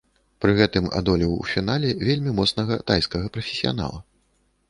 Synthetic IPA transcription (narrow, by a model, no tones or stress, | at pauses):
pɾɨɣɛt̪ɨma̰d̪ɔlʲɛwwfʲinalʲɛvʲelʲmʲimɔt̪snɐɣɐt̪ajskɐɣɐpɾɐfʲe̥sʲija̰n̪a̰lˠɐ